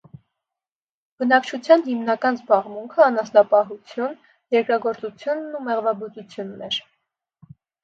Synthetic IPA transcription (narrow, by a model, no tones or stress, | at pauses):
b̥ənɑkt͡ʃʰut͡sʰjɑnhimnɑkɑnzbɑʁmuŋkʰəɑnɑsnɑpɑɦut͡sʰjun | jɛɾkɾɑɡɔɾt͡sut͡sʰjunːumɛʁvɑbɔt͡sut͡sʰjunːɛɾ